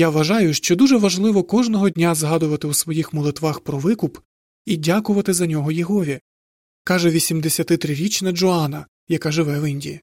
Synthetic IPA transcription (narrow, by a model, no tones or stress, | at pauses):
jaʋɐʒɑjʊʃt͡ʃɔd̪uʒɛʋɐʒlˠɪʋɔkɔʒnɔɦɔdʲnʲazɦɑd̪ʊʋɐt̪ɪusʋɔjixmɔlˠɪt̪ʋɑxpɾɔʋɪkʊp | idʲakʊʋɐt̪ɪzɐnʲɔɦɔjɛɦɔʋʲi | kɑʒɛʋʲisʲimd̪esʲɐt̪ɪt̪ɾɪɾʲit͡ʃnɐd͡ʒɔɑnɐ | jɐkɑʒɪʋɛʋɪnʲdʲḭji